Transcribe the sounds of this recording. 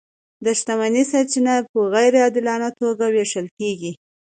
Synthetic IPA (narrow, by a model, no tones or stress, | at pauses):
d̪əʃt̪amanisaɾt͡ʃinapəɣajɾeɑd̪ɪlɑnat̪oɡaweʂəlkeɡi